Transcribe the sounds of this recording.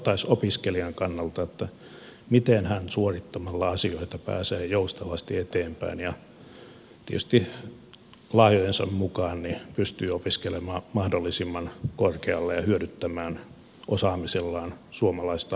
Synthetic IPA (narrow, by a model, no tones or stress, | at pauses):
t̪ɑisopiskeliɑŋkɑnːɑlt̪ɑet̪ːæ | mit̪enhænsuorit̪ːomɑlːɑɑsioit̪ɑpæ̰ːseːjoust̪ɑʋɑst̪iet̪eːmpæ̰injɑ | t̪ḭḛty̥st̪i | lɑhjojensɑ̰mmukɑːnnipyst̪yːopiskelemɑːmɑhdolːisimːɑnkorkeɑlːejɑhyøɾyt̪ːæmæːn | ʔosɑːmiselːɑːnsuomɑlɑist̪ɑ